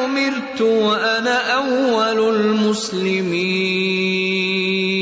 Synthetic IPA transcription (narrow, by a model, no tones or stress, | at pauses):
ʊmɪɾt̪ʊwaʔanaːʔawːalʊlmʊslɪmiː